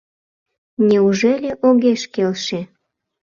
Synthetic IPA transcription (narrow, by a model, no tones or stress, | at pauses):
nʲeuʒelʲeʔoɣeʃkelʃe